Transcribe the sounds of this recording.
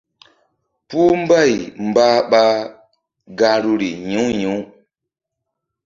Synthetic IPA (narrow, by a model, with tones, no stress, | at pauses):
pu˦m̩˦ba˦˨jm̩˨ba˦ɓa˦ | ɡa˧ɾu˦ɾi˨ɲĩ˨˦wɲi˨˦